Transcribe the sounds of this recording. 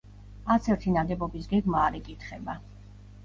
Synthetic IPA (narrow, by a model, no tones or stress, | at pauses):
at̪sʰɛɾt̪ʰinad̪ɛbɔbisɡɛɡmaːɾɛkʼit̪ʰχɛba